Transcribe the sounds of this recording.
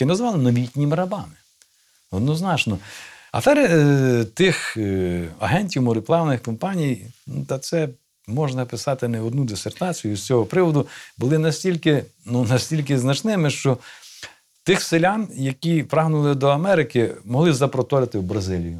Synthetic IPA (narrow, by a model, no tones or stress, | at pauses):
ɪnɐzʋɑlˠɪnɔʋʲitʲnʲimɾɐbɑmɪ̥ | ɔd̪nɔznɑt͡ʃnɔ | ɐ̰fɛɾɪt̪ɪx | ɐɦɛnʲtʲiwmɔɾɪplˠɑʋnɪxkɔmpɑnʲijnut̪ɐt̪sɛ | mɔʒnɐpɪsɑt̪ɪnɛɔd̪nud̪ɪsert̪ɑt͡sʲijʊsʲt͡sʲɔɦɔpɾɪʋɔd̪ʊbʊlˠɪnɐsʲtʲilʲkɪ | nunɐsʲtʲilʲk̬ɪznɐt͡ʃnɪmɪʃt͡ʃɔ | t̪ɪxsɪlʲanjɐkʲipɾɑɦnʊlˠɪd̪ɔɐmɛɾɪkɪmɔɦlˠɪzɐpɾɔt̪ɔɾʲɪt̪ɪwbɾɐzɪlʲijʊ